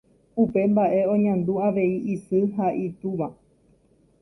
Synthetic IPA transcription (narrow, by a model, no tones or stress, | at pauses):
upe̞mbaʔe̞õ̞ɲãnd̪uaʋe̞iʔisɨɦaʔit̪uʋa